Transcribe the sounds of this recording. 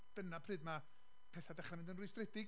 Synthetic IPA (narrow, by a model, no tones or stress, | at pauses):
d̥ənapʰrɨːdma | pʰɛθadɛχramɪndənrʊjstrɛdɪɡ